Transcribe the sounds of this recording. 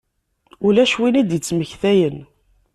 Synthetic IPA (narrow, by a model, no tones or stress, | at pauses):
ʊlæʃwinid̪jət͡sːməçθæjən